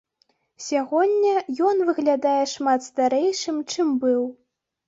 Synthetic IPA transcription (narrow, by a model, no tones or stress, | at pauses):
sʲaɣɔnʲːɐjɔn̪vɨɣlʲad̪ajɛʂmat̪st̪aɾɛjʂɨmt͡ʂɨmbɨw